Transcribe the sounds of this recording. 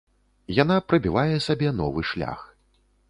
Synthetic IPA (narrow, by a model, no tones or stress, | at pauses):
janapɾɨbʲivajɛsabʲɛnɔvɨʂlʲa̰x